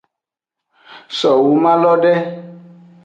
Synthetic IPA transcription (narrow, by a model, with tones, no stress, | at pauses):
sɔ˨wu˨˦mã˦lɔ˦ɖɛ˦